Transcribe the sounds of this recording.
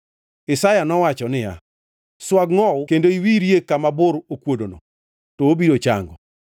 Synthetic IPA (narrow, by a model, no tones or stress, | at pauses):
ɪsajanɔwat͡ʃɔnɪja̰ | swaɡŋɔkendoiwiɾjekamabʊɾokwodono̰ | toobiɾot͡ʃa̰ŋɡɔ̰